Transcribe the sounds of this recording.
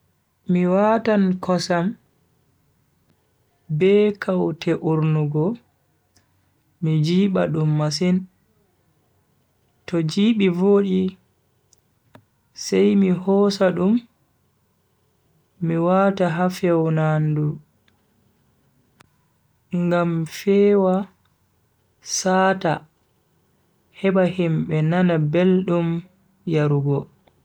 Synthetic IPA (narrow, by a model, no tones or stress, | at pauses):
miwatankʰɔsam | bɛkʰawtʰɛʔuɾnuɡɔ | mid͡ʒiːɓa̰ɗumːas̬in | tɔd͡ʒiːɓivoːɗi | sajmihɔːsaɗum | iwataɦafɛwnandu | ŋɡamfɛːwa | saːta | hɛɓahimɓɛnanabelɗum | jaɾuɡɔ